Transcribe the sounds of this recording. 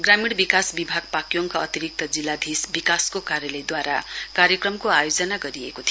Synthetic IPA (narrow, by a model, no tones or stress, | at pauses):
ɡramiɽbikasbibʱaɡ̚pakjoŋkʌʌt̪iɾik̚t̪ʌd͡zilːad̪ʱisbikaskokaɾjʌlʌjd̪waɾa̰kaɾjʌkrʌmkoajod͡zʌnaɡʌɾiekot̪ʰi